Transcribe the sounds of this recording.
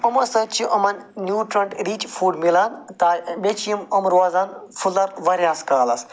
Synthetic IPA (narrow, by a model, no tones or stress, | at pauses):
ɐmɐsɐt͡ʃʰiʔɐmɐnnjuːʈɾɐɳʈɾiːt͡ʃfuːɖmilɐnt̪aːbʲet͡ʃʰjimɐmɾwaːzaːnfulɐɾʋɐɾʲjaːskaːlɐs